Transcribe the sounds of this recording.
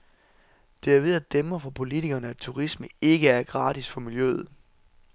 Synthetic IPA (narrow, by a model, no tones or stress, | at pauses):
d̥e̝æɐʋe̝ð̞ˠæd̥emɐfɒpʰo̝lit͡sʰiɡ̥ɐnəæd̥̚t͡sʰuʁisməe̝ɡ̥əæɐɡ̥ʁɑ̈ːdisfɒ̽miljøð̩ˠ